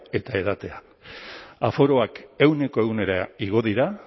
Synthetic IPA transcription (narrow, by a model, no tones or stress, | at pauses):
e̞t̪ae̞ð̞at̪e̞a | afo̞ɾo̞ake̞wne̞ko̞e̞ɣwne̞ɾaiɣ̞o̞ðiɾa